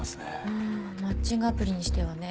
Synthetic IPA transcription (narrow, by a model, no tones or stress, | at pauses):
sɨ̥nḛɯ | mat͡ɕĩŋɡapɯ̟ɾʲiɲ̟iɕi̥t̪e̞βane̞